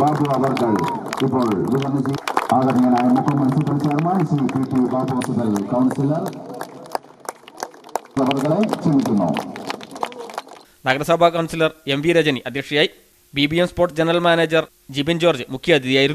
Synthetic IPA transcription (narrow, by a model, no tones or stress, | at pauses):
baːrt̪ɐʋɐbɐɾkːɐɭipːo̞ːɭiðuʋɐnːɐt͡ɕiaːɣɐðiŋːɐnaːjɐmukʰːɐmɐnɐsilpːɐit͡ɕːaːɾɐmaːnisipipːibaːɾt̪ːɐʋɐsɐt̪ːɐkɐwɳsilɐr | ʋɐbɐɾɣɐɭet͡ɕenːikʲːunːo̰ː | nɐɡɐɾɐsɐbʱaːkɐwnsilɐre̞mʋiɾɐd͡ʑɐniʔɐd̪ʱjɐkʂɐjaːji | bibijemspoːʈːɨd͡ʑenɐrɐlmaːneːd͡ʑɐr | d͡ʑibɐnd͡ʑo̞ːrd͡ʑɨmukʰjɐɐd̪ʱiðijaːjiɾunː